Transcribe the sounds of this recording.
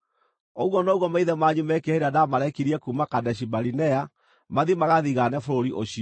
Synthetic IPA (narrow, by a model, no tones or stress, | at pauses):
oɣwɔnoːɣwɔmaiðɛmaɲumɛkeheɾadamaɾɛkiɾiɛkuːmakadɛɕ̬ibaɾinɛa | maðimaɣaðiɣanɛfoɾoɾiʔoɕiɔ